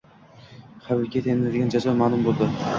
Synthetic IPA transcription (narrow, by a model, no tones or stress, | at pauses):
χabɪkʲʰet̪ʰenɪnad̪eɡʲand͡ʒazɒmanʊmbolˠd̪ɪ